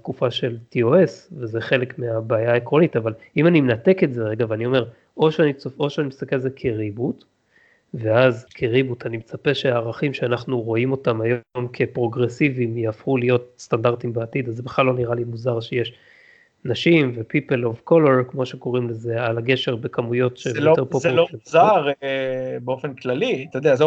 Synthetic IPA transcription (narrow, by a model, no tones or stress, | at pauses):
t̪̚kufaʃe̞ltioesvezeχe̞lekmeabaːjaekʁo̞nitavalimanimenate̞ketzeʁeɡaveanio̞me̞ʁ | o̞ʃeanit͡soo̞ʃeanimist̪akelzekʰeʁibut | ve̞azkʰeʁibutʰanimet͡sape̞ʃeaːʁaχimʃeanaχnuʁo̞imo̞tamajomkʰe̞pʁo̞ɡʁesivimjaːfχulijo̞tst̪andaʁt̪imbeatid̪azebeχlalːo̞niʁalimuzaʁʃejeʃ | naʃimvepipelovko̞leʁkmo̞ʃeko̞ʁimleze̞alaɡe̞ʃe̞ʁbe̞kamujo̞tʃeteʁpoploeuzaʁ | beofenklalit̪ejod̪eaz